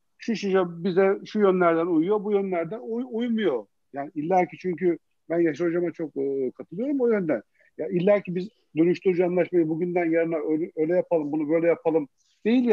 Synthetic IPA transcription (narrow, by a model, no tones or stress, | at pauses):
ʃuʃiʃabizɛʃujønlʲæɾd̪ænujujo̞bujønlʲæɾd̪ænujujmujo̞ | jaːniilʲːæɾcʰit͡ʃʰyɲcy | bænjaʃ̬aod͡ʒamat͡ʃʰo̞k̚ːkʰat̪ʰɯlˠɯjo̞ɾumojø̞nd̪æn | jailʲːæɾcibiz | d̪ønyʃt̪yɾyd͡ʒuanlˠaʃmajɯbuɟynd̪ænjeɾinɛøøjlʲɛjapʰalˠɯmbunubø̞jlʲɛjapʰalˠɯm | d̪̥e̞jilʲj